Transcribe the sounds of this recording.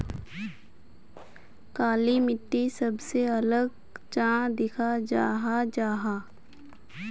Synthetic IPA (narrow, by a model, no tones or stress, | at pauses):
kaːlimɪʈːisɐbseɐləɡ | t͡ʃãːd̪ɪkʰad͡ʒaːɦad͡ʒaːɦaː